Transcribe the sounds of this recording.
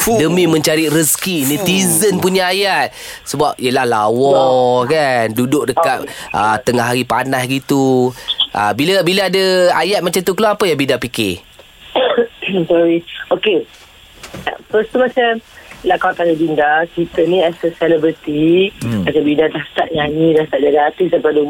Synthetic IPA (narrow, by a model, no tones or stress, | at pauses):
dəmĩmə̃ɲt͡ʃaɾiɾəskinit̪izənpuɲaajat̪̚ | səbap̚iəlahlawɔkandudʊk̚dəkat̪̚ʔət̪əŋaɦaɾipanahɡit̪uʔa̰bilabilaadaajat̪̚mat͡ʃamt̪ukəlaapəjabidapike | sɔɾioke | fəst̪umat͡ʃamlakaakajubindakit̪ənĩasəsɛlɛbɾit̪imat͡ʃabindadahst̪aʔɲaɲĩdast̪aʔd͡ʒadaat̪izənpɾadu